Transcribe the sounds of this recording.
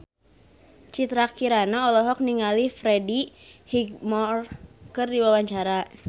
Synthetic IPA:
t͡ʃit̪ɾakiɾanaɔlɔɦɔk̚niŋalifɾɛdi | hiɡ̚mɔrkɨrdiwawaɲt͡ʃaɾa

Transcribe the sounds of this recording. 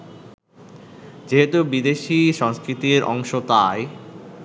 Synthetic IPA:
d͡ʑeɦet̪ubid̪eʃiʃɔŋskɾit̪iɾɔ̰ŋʃot̪ae

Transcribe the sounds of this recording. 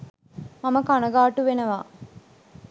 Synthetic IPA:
maməkanɐɡaːʈuʋenəʋaː

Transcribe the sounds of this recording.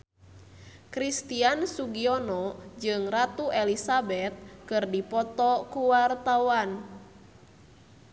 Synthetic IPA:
kɾist̪iansuɡiɔnɔd͡ʒɨŋrat̪uʔɛlisabɛt̪̚kɨrdipɔt̪ɔkuwart̪awan

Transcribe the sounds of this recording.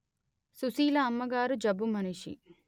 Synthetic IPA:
susiːlɐːmːɐɡaːɾud͡ʒɐbumɐniʃḭ

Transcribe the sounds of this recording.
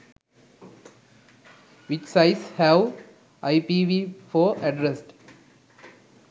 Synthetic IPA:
ʋɪt͡ʃsaɪshæʋ | ʔaɪpiːʋiːfɔːɐɖɾesʈ

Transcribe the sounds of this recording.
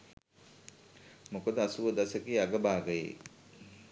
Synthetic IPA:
mokod̪əasuʋəd̪asəkiːaɡəbaːɡəjḛ

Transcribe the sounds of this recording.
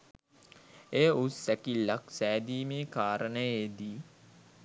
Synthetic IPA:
ejʔusækilːaksæːd̪iːmeːkaːɾənəjed̪i

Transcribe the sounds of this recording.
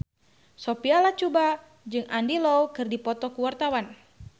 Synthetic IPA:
sopialat͡ʃuba | d͡ʒɨŋandilowkɨrdipɔt̪ɔkuwart̪awan

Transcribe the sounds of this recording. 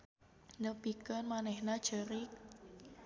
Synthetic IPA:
nəpikənmanɛhnad̥ʒ̥əɾik̚

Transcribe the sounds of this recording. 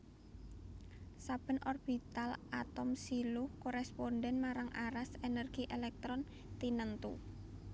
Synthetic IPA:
sab̥ə̤nʔɔrb̥it̪alʔat̪ɔmsilʊhkoɾɛsponɖɛnmaɾaŋʔaɾasenərɡ̥iʔelɛk̚t̪ɾɔn | t̪inənt̪ṵ

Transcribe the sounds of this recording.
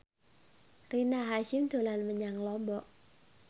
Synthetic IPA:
rinaɦaʃɪmd̪̥o̤lanməɲaŋlɔmbɔʔ

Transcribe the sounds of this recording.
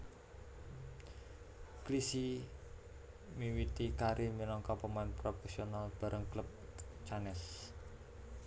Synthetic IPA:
klisi | miwit̪ikaɾiminɔŋkɔpəmanpɾofɛsionalb̥a̤ɾʔəŋkləp̚ | t͡ʃanɛs

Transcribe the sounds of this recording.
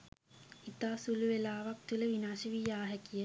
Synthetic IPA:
it̪aːsuluʋelaːʋak̚t̪uləʋinaːʃəʋijaːɦɛkijə

